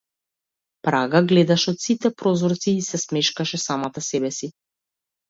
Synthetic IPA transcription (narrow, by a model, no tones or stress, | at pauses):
pɾaɡaɡlɛd̪aʃɛɔt̪sit̪ɛpɾɔzɔɾt̪siːsɛsmɛʃkaʃɛsamat̪asɛbɛsi